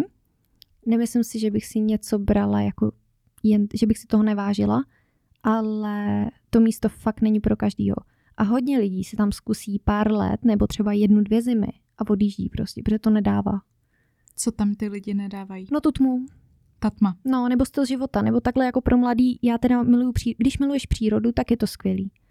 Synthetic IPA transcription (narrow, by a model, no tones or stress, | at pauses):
nɛmɪslɪmsɪʒɛbɪxsɪɲɛt͡so̞bɾalajako | jɛnʒɛbɪxsɪ̥t̪oɦonɛvaːʒɪla̰ | ʔalɛt̪o̞miːst̪o̞fak̚t̪nɛɲipɾo̞kaʒdḭːɦo̞̰ | ʔaɦo̞ɟɲɛlɪɟiːsɛt̪amskusiːpaːɾlɛ̰t̪nɛbo̞t̪r̝̥ɛbajɛdnudvjɛzɪmɪ̰ | ʔavo̞djiːʒɟḭːpɾoscɛ̥pɾoʒɛt̪o̞nɛdaːva̰ː | t͡sot̪amt̪ɪlɪɟɪnɛdaːvajinot̪ut̪mu | t̪at̪mano̞nɛbo̞st̪ɪlzʒɪvo̞t̪anɛbot̪aɡlɛjako̞pɾʔo̞mladiːjaːt̪ɛdamɪlujupr̝̥iːɡdɪʃmɪlujɛʃpr̥iːɾo̞dut̪akjɛt̪o̞skʋjɛliː